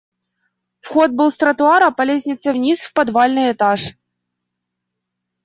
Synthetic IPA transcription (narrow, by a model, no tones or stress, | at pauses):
fxot̪̚bɨlˠst̪ɾət̪ʊaɾəpɐlʲesʲnʲɪt̪səvnʲisfpɐd̪valʲnɨjɪt̪aʂ